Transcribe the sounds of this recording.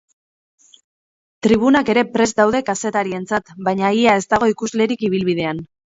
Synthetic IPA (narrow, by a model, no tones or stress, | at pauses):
t̪ɾiβ̞unake̞ɾe̞pɾe̞zd̪awðe̞kase̞t̪aɾie̞nt͡sat̪bajɲaiae̞st̪aɣ̞o̞ikuzle̞ɾikiβ̞ilβið̞e̞an